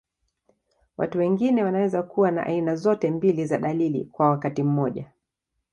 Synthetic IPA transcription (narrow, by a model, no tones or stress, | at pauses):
wa̰tuwɛŋɡinɛwanawɛzakuwana̰ʔa̰inazɔtɛmbilizaɗalilḭkwawakatim̩mɔʄa